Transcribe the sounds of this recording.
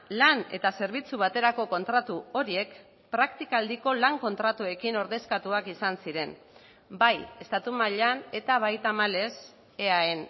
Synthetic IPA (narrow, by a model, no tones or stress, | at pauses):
lane̞̰t̪ase̞ɾβ̞it͡suβat̪e̞ɾako̞ko̞nt̪ɾat̪uo̞ɾie̞k | pɾakt̪ikald̪iko̞laŋko̞nt̪ɾat̪ue̞kino̞ɾðe̞skat̪uakisansiɾe̞n | baje̞st̪at̪umaʎane̞t̪aβ̞ajt̪amale̞s | e̞aen